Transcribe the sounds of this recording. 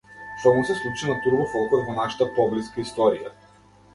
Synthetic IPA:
ʃt̪ɔmusɛslˠut͡ʃinat̪uɾbɔfɔlˠkɔɛvɔnaʃḁt̪apɔbliskaist̪ɔɾija

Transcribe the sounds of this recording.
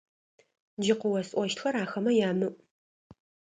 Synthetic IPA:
d͡ʒɪqʊwɐsʼʔʷɔʃtxɐɾaːxɐmɐjaːmɨʔ

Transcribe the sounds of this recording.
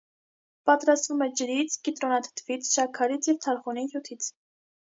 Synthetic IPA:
pɑt̪ɾɑst̪vumɛd͡ʒəɾit͡sʰkit̪ɾɔnɑt̪ʰt̪ʰvit͡sʰʃɑkʰːɑɾit͡sʰjɛvt̪ʰɑɾχunihjut̪ʰit͡sʰ

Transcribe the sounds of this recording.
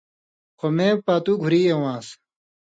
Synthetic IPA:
kʰomẽːpaːt̪uɡʱuɾiːewãːs

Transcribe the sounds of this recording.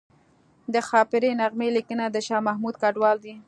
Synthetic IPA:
d̪əxɑpɪɾenaɣmelikənad̪əʃɑmahmud̪̚kaɖwɑld̪i

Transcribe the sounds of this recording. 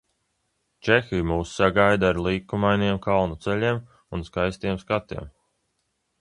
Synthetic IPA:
t͡ʃexijmuːsːaɡajd̪aɾlˠiːkumajniɛmkalˠnut̪sɛʎʲiːm | unskajst̪iɛmskat̪ḭɛm

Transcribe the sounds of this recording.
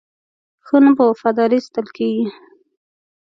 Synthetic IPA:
xənəbofad̪ɑɾist̪əlkeɡi

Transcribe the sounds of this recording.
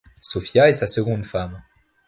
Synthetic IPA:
sɔfjaesasəɡɔ̃d̪fam

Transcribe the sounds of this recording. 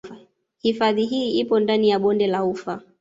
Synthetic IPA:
hifaðiɦiːipɔndanijaɓɔndɛlaufa

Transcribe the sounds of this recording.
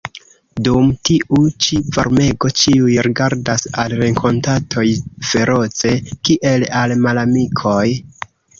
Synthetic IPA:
dumtiʔut͡ʃiva̰ɾme̞ɡo̞t͡ʃiujɾiɡaɾdasalɾe̞ŋkʰo̞ntatʰo̞jfe̞ɾo̞t͡se̞kiʔe̞lalmalamikʰo̞j

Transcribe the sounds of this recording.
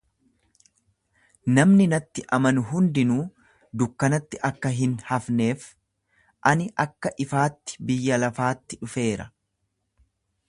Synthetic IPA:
nɐmnɪnɐt̪ːɪʔɐmɐnʊɦʊnd̪ɪnuː | d̪ʊkːɐnɐt̪ːɪʔɐkːɐɦɪnhɐfne̞ːf | ʔɐnɪʔɐkːɐʔɪfaːt̪ːɪ̥bɪjːɐlɐfaːt̪ːɪᶑʊfe̞ːɾɐ

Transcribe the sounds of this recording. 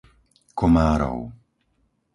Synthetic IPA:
kʰɔmaːɾɔ̰w

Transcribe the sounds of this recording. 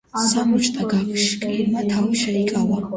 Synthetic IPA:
samut͡ʃʼt̪ʼaɡakʰʃkʼlinmat̪ʰawiʃaikʼala

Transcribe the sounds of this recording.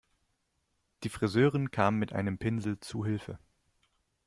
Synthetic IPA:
d̥iːfʁ̥izøːʁənkʰaːmənmɪtʔa̰ɪnəmpʰɪnzl̩t͡suɦɪlfə̰

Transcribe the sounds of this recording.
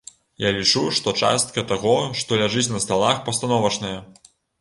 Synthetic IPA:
jalʲit͡ʂuʂt̪ɔt͡ʂa̰st̪̚kɐt̪aɣɔʂt̪ɔlʲaʐɨt͡sʲnɐst̪alˠaxpɐst̪anɔvɐt͡ʂnɐjɐ

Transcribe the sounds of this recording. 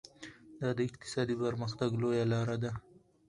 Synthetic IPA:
d̪ɑd̪əɪqt̪ɪ̥sɑd̪ipəɾmaxt̪aɡlojalɑɾad̪a

